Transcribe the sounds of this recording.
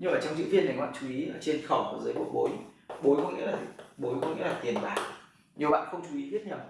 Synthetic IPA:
ɲɨ˧ŋʔəː˧˩t͡ɕɔ˧wŋ͡mzɨ̰˧˨vi˧ənːa˨˩jhwa̰ː˧˨nt͡ɕu˨˦ʔi˨˦ʔəː˧˩t͡ɕe˧nxɔ˧˩ku˧˩əzəː˨˦jɓu˧˩ɓo˨˦jɓo˨˦jkɔ̰˧˥ŋ͡mŋḭ˧˥laː˨˩˨ɓo˨˦jkɔ˧˥ŋ͡mŋḭ˧˥laː˨˩t̪i˨˩ənɓaː˨˩k̚ | ɲi˨˩əwɓa̰ː˧˨nxə˧wŋ͡mt͡ɕu˨˦ʔi˨˦ɓi˦˥t̚ɲa˨˧˩w

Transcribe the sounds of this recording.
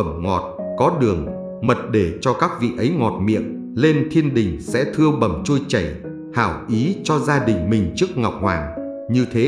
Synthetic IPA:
ə˧˩mŋɔ˨˩t̚kɔ˨˦ɗɨ˨˩əŋ | mə˨˩t̚ɗe˧˩t͡ɕɔ˧kaː˦˥k̚vḭ˧˨ʔə˨˦jŋɔ˨˩t̚mḭ˧˨ən | le˧nt̪ʰi˧ənɗï˨˩ŋ̟sɛ̰˧˥t̪ʰɨ˧əɓə˨˧˩mt͡ɕu˧əjt͡ɕə˧˩j | haː˧˩wʔi˨˦t͡ɕɔ˧zaː˧ɗï˨˩ŋ̟mï˨˩ŋ̟t͡ɕɨ˦˥ək̚ŋa˨˩wk͡p̚hwa̰ː˨˩ŋ | ɲɨ˧t̪ʰe˨˦

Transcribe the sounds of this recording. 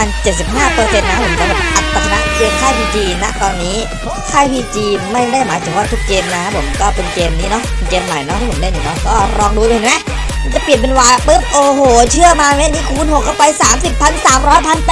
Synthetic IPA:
aː˧nt͡ɕe˨˩t̪̚si˨˩p̚ɦaː˥˩pɤː˧se˧nːa˦˥pʰo˩˦mt͡ɕa˧˦lo˨˩ʔa˨˩t̪ːa˧kʰa˧na̰˧˥ʔkɯ˧əŋkʰaː˥˩jpʰiː˧t͡ɕiː˧na˦˥ʔt̪ɔː˧nːiː˦˥ | kʰaː˥˩jpʰiː˧t͡ɕiː˧ma˥˩jda˥˩jmaː˨˦jt̪ʰɯ˨˩˦waː˧˥˩t̪ʰu˦˥k̚keː˧mna˦a˦˥pʰo˩˦mkɔː˥˩pe˧nkeː˧mniː˦˥nɔ˦˥pʰe˧nkeː˧mːa˨˩jnɔ˦˥˦pʰo˩˨˦da˥˩˨i˨˩nɔ˦˥kɔː˥˩ɾɔː˧ŋduː˧˨˦mɛ˦˥˧ | t͡ɕa˨˩pi˨˩ənp̬e˧nwaː˨˦pɤ˦˥p̚ʔoː˧hoː˨˩t͡ɕʰɯ˥˩əmaː˧a˦˥˨nːiː˦˥kʰuː˧nɦo˨˩kːa˥˩wpa˧jsaː˨˩˦msi˨˩pʰːa˧nsaː˨˩˦mɾɔː˦˥jpʰa˧npː

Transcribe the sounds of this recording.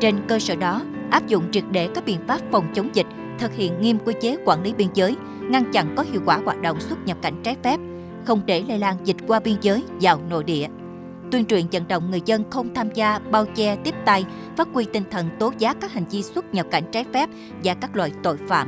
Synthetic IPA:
t͡ɕe˧nkəː˧səː˧˩ɗɔ˨˦ʔaː˦˥p̚zʊ̰˧˨ŋ͡mt͡ɕi˨˩ət̚ɗe˧˩kaː˦˥k̚ɓḭ˧˨ənfaː˦˥p̚fə˨˩wŋ͡mt͡ɕə˨˦wŋ͡mzï˨˩k̟̚ | t̪ʰɨ˨˩k̚hḭ˧˨ənŋi˧əmkwi˧t͡ɕe˨˦kwaː˧˩nli˨˦ɓi˧ənzəː˨˦j | ŋa˧nt͡ɕa̰˧˨nkɔ˨˦hḭ˧˨əwkwaː˧˩waː˨˩t̚ɗo̰˧˨wŋ͡mswə˦˥t̚ɲə˨˩p̚ka˧˩jŋ̟t͡ɕaː˨˦jfɛ˦˥p̚ | xə˧wŋ͡mɗe˧˩lḛ˧laː˧˩nzï˨˩t̟̚kwaː˧ɓi˧ənzəː˨˦jzaː˨˩wno̰˧˨jɗḭ˧˨ə | t̪wi˧ənt͡ɕwḭ˧˨ənzə̰˧˨nɗə̰˧˨wŋ͡mŋɨ˨˩əjzə˧nxə˧wŋ͡mt̪ʰaː˧mzaː˧ɓaː˧wt͡ɕɛ˧t̪i˦˥əp̚t̪a˧j | faː˦˥t̚kwi˧t̪ï˨˩ŋ̟t̪ʰə˨˩nt̪o˨˦zaː˨˦˥kːaː˦˥k̚ha˨˩jŋ̟t͡ɕi˧swə˦˥t̚ɲə˨˩p̚ka˧˩jŋ̟t͡ɕaː˨˦jfɛ˦˥p̚ | vaː˨˩kaː˦˥k̚lwa̰ː˧˨jt̪o̰˧˨jfa̰ː˧˨m

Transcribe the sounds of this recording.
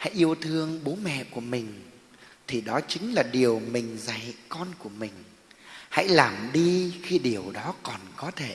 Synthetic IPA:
ha̰˧˥jʔi˧əwt̪ʰɨ˧əŋɓo˨˦mɛ̰˧˨ku˧˩əmï˨˩ŋ̟ | t̪ʰi˨˩ɗɔ˨˦t͡ɕï˨˦ŋ̟laː˨˩ɗi˨˩əwmï˨˩ŋ̟za˧˩jkɔ˧nku˧˩əmï˨˩ŋ̟ | ha̰˧˥jlaː˨˩mɗi˧xi˧ɗi˨˩əwɗɔ˨˦kɔ˨˩nkɔ˨˦t̪ʰe˧˩

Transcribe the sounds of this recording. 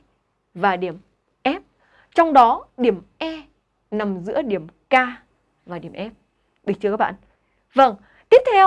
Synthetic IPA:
vaː˨˩ɗi˧˩əm | ʔɛ˦˥p̚ | t͡ɕɔ˧wŋ͡mɗɔ˨˦ɗi˧˩əmʔɛ˧ | na˨˩mzɨ̰˧˥əɗi˧˩əmkaː˧ | vaː˨˩ɗi˨˧˩əmʔɛ˦˥p̚ | ɓɨ˨˩t͡ɕɨ˧kaː˦˥k̚ɓa̰˧˨ | və˧˩ŋ | t̪i˦˥əp̚t̪ʰɛ˧w

